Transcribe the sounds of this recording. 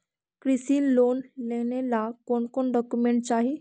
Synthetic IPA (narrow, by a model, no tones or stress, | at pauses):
kɾisiːnlonlenelakoɳkoɳɖɔkumeɳʈ̚t͡ɕaɦi